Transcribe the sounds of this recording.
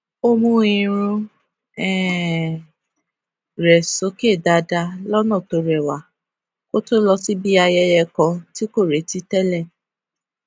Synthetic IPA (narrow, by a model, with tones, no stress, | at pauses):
o˦mũ˧ĩ˨˧˨ɾ̃ũ˧ | ɛ˦˨ | ɾɛ˨so˨˦ke˦˨da˨˧da˧lɔ˦nɔ̃˦˨to˧ɾɛ˨wa˨˦ | ko˦to˦lɔ˧si˦bi˦a˧jɛ˧jɛ˧kɔ̃˧ti˦ko˦˨ɾe˨˦ti˦tɛ˦lɛ˦˨